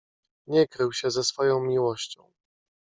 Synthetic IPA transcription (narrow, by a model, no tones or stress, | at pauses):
ɲɛkɾɘwɕɛzɛsfɔjɔ̃w̃mʲiwɔɕt͡ɕɔ̰̃w̃